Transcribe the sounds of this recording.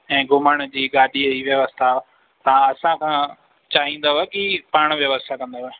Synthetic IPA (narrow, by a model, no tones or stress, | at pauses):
ɛ̃ːɡʊməɽ̃d͡ʑiːɡaːɗiɦiʋjəʋəst̪ʰa | t̪aɐsãkʰãː | t͡ɕaːɦĩːnd̪aɦoɛkipaːɽ̃ʋjɐʋəst̪ʰakɐ̃nd̪aɦɛ